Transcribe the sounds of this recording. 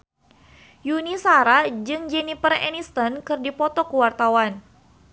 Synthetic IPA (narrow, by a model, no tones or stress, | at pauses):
junisaɾad͡ʒɨŋd͡ʒɛnifərɛ̰nist̪ɔnkɨrdipɔt̪ɔkuwart̪awan